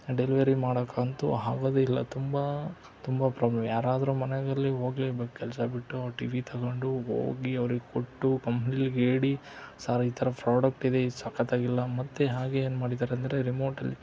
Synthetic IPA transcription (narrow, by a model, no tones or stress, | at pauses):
ɖeliʋɐɾimaːɽɐkaːɐnt̪ṵɦaːɡoːd̪eilːɐt̪umbɐ | t̪umbɐpɾaːblɐmjaːɾaːd̪ɐɾumɐnɛɡɐlːiɦo̞ːɡleːbekkɛlsɐbiʈːuaʈiʋit̪ʰɐɡoɳɖuɦo̰ːɡiɐʋɐɾiɡekoʈːukɐmpnilɡeːɽisaːɾɐiːt̪ʰɐɾɐpɾaːɽɐk̚ʈid̪e̞isɐkːɐt̪aːɡilːɐmɐt̪ːeɦaːɡeeːnmaːɽid̪aːɾeɐnd̪ɐɾe̞ɾimo̞ːɾʈɐlːi